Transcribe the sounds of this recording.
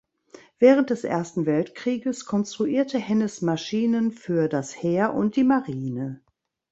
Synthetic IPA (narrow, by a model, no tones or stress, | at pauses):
v̥ɛːʁ̞ənt̚d̥ɛsʔḛːɐstn̩vɛltkʁ̥iːɡəskʰɔnstʁ̥uʔiːɐtʰəhɛnəsmaʃiːnənfyːɐdasheːɐʔʊnt̚d̥iːmaʁiːnə